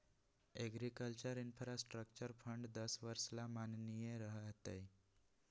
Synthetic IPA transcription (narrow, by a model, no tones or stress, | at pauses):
eɡɾikəlt͡ɕəɾinfɾasʈɾək̚t͡ɕəɾfʰəɳɖd̪əsʋəɾslamannijeɾəɦəɦt̪ej